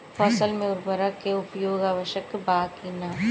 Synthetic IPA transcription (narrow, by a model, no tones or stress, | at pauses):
fʰɔːsəlmẽʊɾbəɾakeʊpjoːɡaːʋəʃəkbaːkinaː